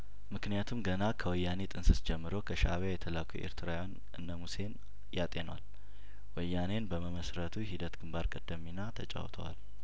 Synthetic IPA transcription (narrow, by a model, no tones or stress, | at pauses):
mɨknijat̪ʰumɡənakʰəwɔjːane̞t̪ʼɨnsɨsd͡ʒɛmːɨɾo̞kʰəʃaβajɛt̪ʰəlakʰo̰ʔḛɾt̪ʰɨɾajan | ʔɨnːəmuse̞n | jat̪ʼenwa̰l | wɔjːane̞nbəməməsɾət̪ʰuɦid̪ət̪ɡɨmbaɾkʼəd̪ːəmːinat̪ʰət͡ʃʼa̰wt̪ʰə̰wa̰l